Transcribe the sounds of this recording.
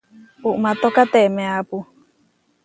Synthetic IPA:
uʔmat̪okat̪eʔmẽapu

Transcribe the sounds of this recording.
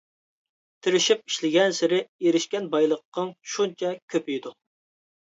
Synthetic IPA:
t̪ʰɪɾɪʃip̚i̥ʃlɪɡʲɛnsɪɾɪeɾɪʃkʲɛnbɑjlˠəqːəŋʃunt͡ʃʰɛkʲʰøpʰyjd̪u

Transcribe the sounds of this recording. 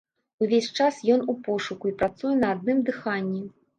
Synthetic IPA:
uvʲesʲt͡ʂasjɔnupɔʂukuipɾat̪sujɛnɐːd̪̚nɨmd̪ɨxanʲːi

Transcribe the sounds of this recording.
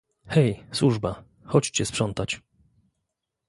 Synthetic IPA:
xɛjswuʐba | xɔt͡ɕt͡ɕɛspʂɔnt̪at͡ɕ

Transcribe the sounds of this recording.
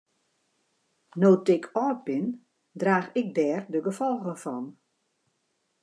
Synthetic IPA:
noːtɪkʰɔːt̚bɪn | draːxɪk̚dɛːrdəɡəfɔlˠɣənfɔn

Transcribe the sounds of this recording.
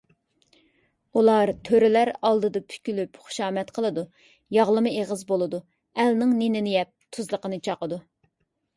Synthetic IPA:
ulˠɑɾt̪ʰøɾɪlæɾɑlˠd̪ɨd̪ɑpʰy̥kʲylypχʊ̥ʃɑːmɛt̪qʰəlˠɨd̪u | jɑʁlˠɨmɨeʁəzbolˠɨd̪u | ɛlnɪŋnenɪnɪjɛp̚t̪ʰuzlˠəqənɨt͡ʃʰɑqəd̪u

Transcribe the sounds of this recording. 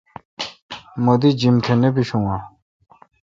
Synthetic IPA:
mod̪id͡ʑimt̪ʰenep̬iɕuŋwa

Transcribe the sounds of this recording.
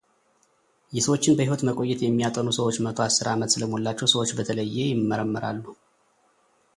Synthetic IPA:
jɛsəwo̞t͡ʃːɪnbəhiho̞t̪məkʼo̞jːɛt̪jɛmːijat̪ʼənusəwot͡ʃːmət̪ʰo̞asːɨɾamət̪sɨləmolːat͡ʃːɛwsəwot͡ʃːbət̪ʰələjːejɪmːəɾəmːəɾa̰lːu

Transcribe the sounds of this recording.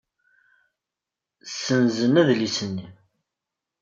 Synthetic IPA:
sənzənæðlisənːi

